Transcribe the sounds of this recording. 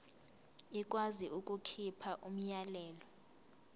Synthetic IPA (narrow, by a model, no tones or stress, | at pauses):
ik̬ʼwaziʔuk̬ʼukʰipʰaʔum̩jalɛːlɔ